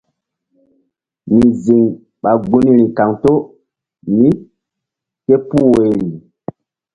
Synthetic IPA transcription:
mĩ˨zi˨ŋ | ɓa˨ɡu˦ni˦ɾi˨ka˨ŋto˦ | nĩ˦ | ke˦pu˦we˨ɾi˨

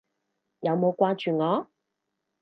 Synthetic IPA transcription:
jɐ˨˧wmo˨˧kwaː˥t͡ʃyː˨˩ŋɔː˨˥˦

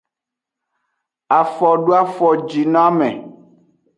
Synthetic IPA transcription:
a˨fɔ˨ɖo˦a˦fɔ˨d͡ʒi˨nã˦a˦mɛ̰̃˨

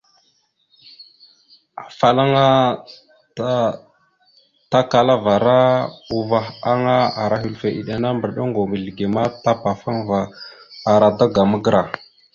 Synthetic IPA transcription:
a˨fa˦la˦ŋa˦ | ta˦ka˨la˦va˨ɾa˦u˨va˦xa˦ŋa˦a˨ɾa˨˦ɦi˨lfe˨ʔḭ˨ɗa˨na˦mbə˨ɾɗa˦ŋɡo˨mi˨lɡe˨ma˦ta˦pa˨fa˦ŋva˨a˨ɾa˨da˦ɡa˨mə˦ɡə˦ɾa˨

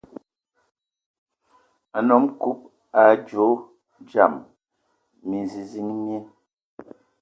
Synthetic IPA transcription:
a˨nɔ˨˦mku˦p̚ | a˨d͡ʒo˨˦ | d͡ʒa˨m | mi˨zi˨zi˦ŋmje˦

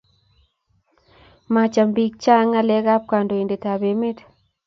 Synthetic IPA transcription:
ma˨t͡ʃa˨mbi˨k̚t͡ʃa˦ŋa˦lɛ˦ɣa˦p̚ka˨ndo˨e˨nde˨ta˨be˨me˦t

